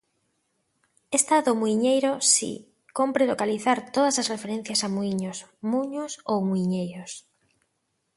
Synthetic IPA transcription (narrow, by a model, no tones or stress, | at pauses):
est̪aðomuiɲejɾosḭ | kompɾelokaliθaɾt̪oðɐsɐsrefeɾẽn̟θjɐsamuiɲosmuɲʊsowmuiɲejɾos